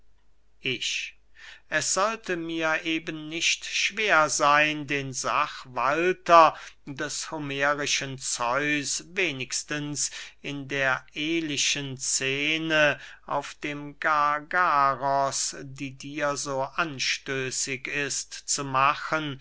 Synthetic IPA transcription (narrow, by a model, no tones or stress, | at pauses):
ʔɪɕ | ʔɛsz̥ɔltəmiːɐʔeːbənːɪʃtʃv̥eːɐzaɪndeːnzaχvaltɐdɛshomeːʁɪʃənt͡sɔʏsveːnɪkstənsɪndeːɐʔeːlɪʃənt͡seːnəʔa̰ʊfd̥eːmɡaɡaʁɔsdiːdiːɐzoːʔanʃtøːsɪkɪstt͡sumaχən